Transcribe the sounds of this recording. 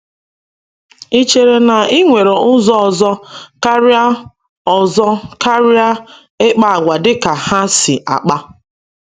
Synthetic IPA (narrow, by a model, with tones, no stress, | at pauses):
i˦t͡ʃe˨ɾe˨na˨i˦ŋʷe˨ɾe˨ʊ˦zɔ˦ɔ˨zɔ˦ka˦ɾi˦a˦ | ɔ˨zɔ˦ka˦ɾja˦ | ɪ˦k͡pa˨a˨ɡʷa˨dɪ˦ka˨ha˦si˨ʔa̰˨k͡pa˦